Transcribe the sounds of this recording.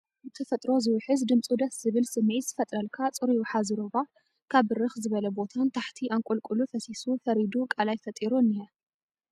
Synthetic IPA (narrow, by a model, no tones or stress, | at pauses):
zɨt̪ʰɐfɐt̪ʼɾo̞zɨwħɨzd̪ɨmt͡sʼud̪ɐszɨβɨlsɨmʕizɨfɐt̪ʼɾɐlkʰat͡sʼɨɾiwħazɨɾoβa | kʰaβɨɾɨxzɨβɐlɐbo̞t̪ʰant̪ʰaħt̪ʰiʔaŋkʼulkʼulufɐsisufɐɾid̪ukʼalajfɐt̪ʼiɾunːijɐ